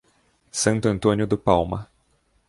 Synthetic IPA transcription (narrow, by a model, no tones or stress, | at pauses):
sɐ̃nt̪ʊɐ̃nt̪õnjʊd̪ʊpawmɐ̰